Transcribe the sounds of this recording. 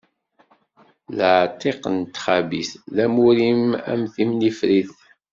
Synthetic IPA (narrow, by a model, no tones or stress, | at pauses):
ləʕt̪ʰˤːeqənt̪χæbisðæmuɾimæ̰mθimnifɾiθ